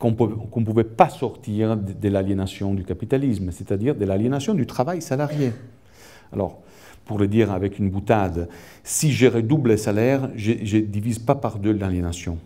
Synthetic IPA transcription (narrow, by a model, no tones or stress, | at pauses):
kɔ̃pøkɔ̃puvɛpasɔʁt̪iʁd̪əlaljenasjɔ̃d̪ykapit̪alismsɛt̪ad̪iːʁd̪əlaljenasjɔ̃d̪yt̪χavajsalaʁje | a̰lɔ̰ʁ | puʁləd̪iːʁavɛkynbut̪ad̪ | siʒeʁɛd̪ubləsalɛʁʒəʒəd̪ivizpapaʁd̪ølaljenasjɔ̃